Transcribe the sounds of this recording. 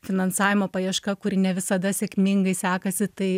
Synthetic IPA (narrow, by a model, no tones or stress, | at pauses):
fʲɪnɐnsɑːʋʲɪmoːpɐjiɛʃkɐkʊɾʲɪnʲɛʋʲɪsɐd̪ɐsʲɛkmʲɪŋɡɐɪsʲæːkɐsʲɪt̪ɐɪ